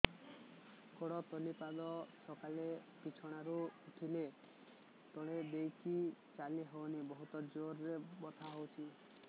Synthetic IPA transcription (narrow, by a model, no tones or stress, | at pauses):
kɔɽɔt̪ɔlipad̪ɔsɔkalepit͡ʃʰɔɽ̃aɾuuʈʰile | t̪ɔɽ̃ed̪ejkit͡ʃaliɦownibɔɦut̪ɔd͡ʒoɾːebɔt̪ʰaɦowt͡ʃʰi